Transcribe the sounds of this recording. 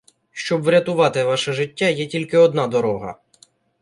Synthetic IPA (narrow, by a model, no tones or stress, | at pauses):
ʃt͡ʃɔbʋɾʲɐt̪ʊʋɑt̪ɪʋɑʃɛʒɪtʲːajɛtʲilʲkɪɔd̪nɑd̪ɔɾɔɦɐ̰